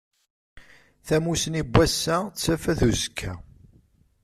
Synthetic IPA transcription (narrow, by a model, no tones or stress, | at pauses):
θæmusənibːæsːæt͡sːæfæθuzəkʰːæ̰